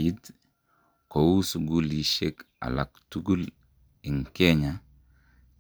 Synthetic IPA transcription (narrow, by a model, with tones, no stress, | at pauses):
i˦t | ko˨wu˦suɡu˦lji˨ʃeka̰˨la˨k̚tuɡu˦l | i˨ŋke˦ɲa